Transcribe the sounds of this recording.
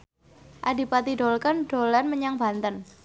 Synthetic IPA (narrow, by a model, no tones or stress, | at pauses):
ʔadi̤pat̪iɖolkanɖ̥olanməɲaŋb̥a̤nt̪ən